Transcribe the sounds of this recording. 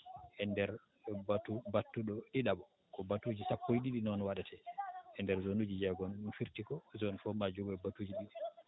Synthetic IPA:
ʔɛndɛɾ | batubatːuɗɔɗiɗabɔ | kɔbatud͡ʒisapːojɗiɗinɔnwaɗatʰɛʔɛndɛɾzonud͡ʒid͡ʒɛɡɔnunfiɾtikɔzɔnfɔmad͡ʒɔɡɔɛbatud͡ʒiɗiɗi

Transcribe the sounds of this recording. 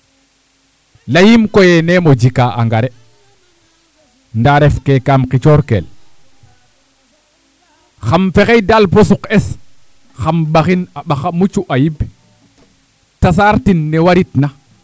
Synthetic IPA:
lajimkojɛnemod͡ʒikaːʔaŋɡaɾɛ | ndaɾɛfkɛkaːmqit͡ʃɔɾkḛl | xamfɛxejdalposuqɛs | xambaxinaɓaxamut͡ʃuʔajib | tas̬aɾtinːɛwaɾitna

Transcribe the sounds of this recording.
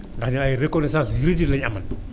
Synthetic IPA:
ndaxɲilajiɾekɔnes̬ãsjiɾidilɛɲaman

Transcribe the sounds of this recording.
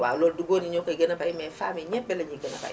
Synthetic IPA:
wa̰loduɡonĩɲokaiɡɛnɛbaɾimɛ̃famɛ̃ɲɛ̃bɛleɲiɡɛnɛ̰ba̰i

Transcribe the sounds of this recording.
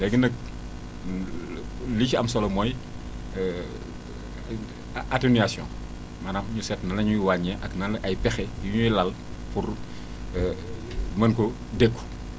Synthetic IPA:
lɛɡənɐk̚ | liciɐmsɔlɔmɔːj | ateniasjɔ̰̃ | mɐnamɲusɛtnɐnɐɲujiwaɲːɛʔɐknɐnʔɐjpɛxɛjuɲujilɐl | pur | mɐnkɔ | dekːu̥

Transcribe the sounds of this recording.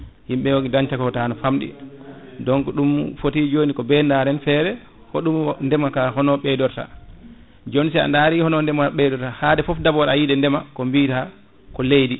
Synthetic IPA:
himɓɛwoɡidaɲtakɔtanɔfamɗḭdɔŋkɔɗumfotid͡ʒoːnikɔbɛndaːɾɛnfɛːɾɛ | hoɗumndɛmakaɦɔnɔɓɛdɔɾta̰ | d͡ʒonis̬ɛa̰ndaːɾihɔnɔndɛmaɓɛdɔɾtahadɛfɔfdabɔɾajidɛndɛmakɔmbiːta | kɔlejdi

